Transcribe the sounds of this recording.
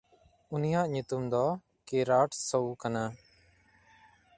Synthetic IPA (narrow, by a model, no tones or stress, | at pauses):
unijaʔɲut̪umd̪ɔ | kiɾaʈsowkana